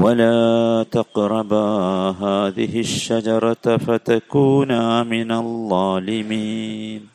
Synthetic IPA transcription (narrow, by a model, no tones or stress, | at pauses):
walaːt̪ɑqɾˤɑbaɦaːðɪɦɪʃːad͡ʒɑɾˤɑfat̪akuːnamɪnaðˤːɑːlɪmiːn